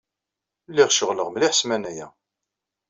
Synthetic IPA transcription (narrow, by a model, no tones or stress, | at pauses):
lːiʁʃəʁləʁmliħsmænæjæ̰